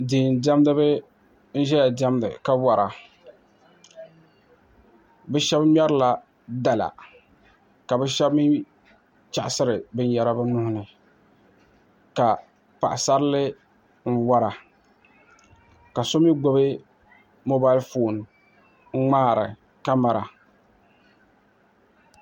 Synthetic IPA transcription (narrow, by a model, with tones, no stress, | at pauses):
diː˨n˨dɛ˦mdɨ˦bɨ˦ | n̩˦ʒɛ˦ja˨dɛ˦mdɨ̰˨ka˦wa˨ɾa˨ | bɛ˦ʃɛ˦bm˦ɛ˦ɾla˨ | da˨la̰˨ | ka˨bɛ˦ʃɛ˦bmi˦ | t͡ʃa˦˨ʔɪ˨sɨ˦ɾɨ˨bɨ˦n˦ja˦ɾa˦bɨ˦nʊ˦hʊ˦nɨ˨ | ka˨ | pa̰˨ʔɪ˨sa˦ɾlɪ˦ | ŋ̩˦wa˦ɾa˨ | ka˨so˦mi˦ɡ͡bo˦bɨ˦ | mo˦ba˦ɪ˦lfo˦˨n | ŋ˦ŋ͡maː˦˨ɾɪ̰˨ | ka˦ma˨ɾa˨